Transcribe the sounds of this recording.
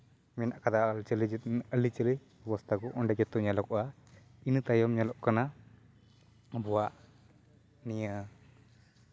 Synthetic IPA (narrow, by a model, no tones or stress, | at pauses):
mɛnaʔkad̪at͡ʃəliəlit͡ʃəli | bɔst̪akɔʔɔɳɖɛɡɛt̪ːɔɲalɔkɔʔa | int̪ajɔmɲalɔʔkana | bɔwaʔ | nijə